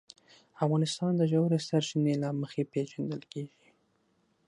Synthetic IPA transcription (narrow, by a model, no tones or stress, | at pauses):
afɣɑnɪst̪ɑnd̪əʒawɾesaɾt͡ʃinelɑməxepeʒand̪əlkeʒi